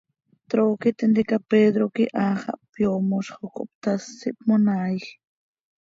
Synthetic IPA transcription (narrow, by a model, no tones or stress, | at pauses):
t̪ɾoːkit̪ɪnd̪ikapeːd̪ɾokiʔaːχɑ̰ʔpjomoʃχoko̰p̚t̪asːiʔp̚monaːjx